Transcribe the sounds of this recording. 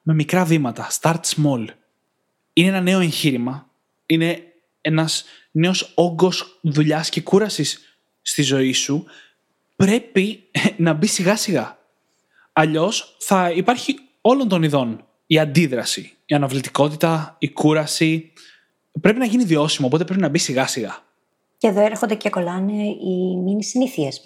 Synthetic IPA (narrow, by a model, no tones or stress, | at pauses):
me̞mikɾɐvimɐt̪ɐst̪ɐɾt̪smol | ineenɐne̞o̞e̞ɲçiɾimɐ | ine̞ | e̞nɐs | ne̞o̞so̞ŋɡo̞sðuʎɐsce̞kuɾɐsisː | t̪izo̞isu | pɾe̞pinɐbisiɣɐsiɣɐ | ɐʎo̞sθɐipɐɾçi | o̞lo̞nt̪o̞niðo̞n | iɐnd̪iðɾɐsi | iɐnɐvlit̪i̥ko̞t̪it̪ɐikuɾɐsi | pɾe̞pinɐʝiniðio̞simɐopot̪epɾe̞pinɐbisiɣɐsiɣɐ | ceðoeɾxond̪eceko̞lɐneiminisiniθies